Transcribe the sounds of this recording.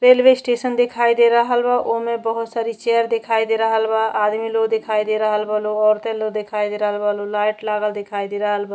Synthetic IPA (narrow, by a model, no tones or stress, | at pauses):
ɾelbesʈesənd̪ekʰajd̪eɾəɦəlbaʔomebəɦut̪saɾit͡ʃeəɾd̪ekʰajd̪eɾəɦəlbaʔad̪miloɡd̪ekʰajd̪eɾəɦəlbəluɔɾt̪elod̪ekʰajd̪eɾəɦəlbʱəlulajʈlaɡəld̪ekʰajd̪eɾəɦəlbə